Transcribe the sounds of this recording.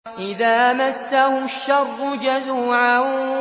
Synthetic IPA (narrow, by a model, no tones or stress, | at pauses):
ʔɪðaːmasːahʊʃːɑrːʊd͡ʒazuːʕa